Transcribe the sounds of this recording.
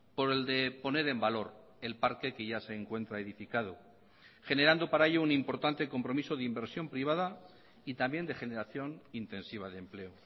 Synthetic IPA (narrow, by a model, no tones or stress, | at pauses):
po̞ɾe̞ld̪e̞po̞ne̞ɾe̞mbalo̞ɾ | e̞lpaɾke̞ke̞ʝase̞ːŋkwe̞nt̪ɾaeðifikað̞o | xe̞ne̞ɾand̪o̞paɾaeʎounimpo̞ɾt̪ant̪e̞ko̞mpɾo̞miso̞ðimbe̞ɾsjo̞mpɾiβ̞að̞a | it̪ambje̞nd̪e̞xe̞ne̞ɾaθjo̞nint̪e̞nsiβ̞aðemple̞o